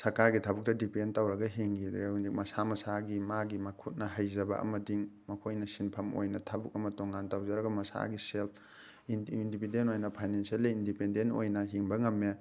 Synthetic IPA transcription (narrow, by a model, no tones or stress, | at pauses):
sɐɾkaɾɡitʰabuk̚tɐdipentawɾɐɡɐɦeŋɡid̪ɾeundik̚mɐsamɐsaɡimaɡimɐkʰut̚nɐɦajzɐbɐ̰ʔɐ̰mɐdiŋmɐkʰojnɐsinpʰɐmo̰jnɐtʰabuk̚ɐmɐtoŋɡantawzɐɾɐɡɐmɐsa̰ɡiselpʰ | indipindentojnɐpʰajnensɐlːiindipendento̰jnɐɦiŋbɐŋɐmːe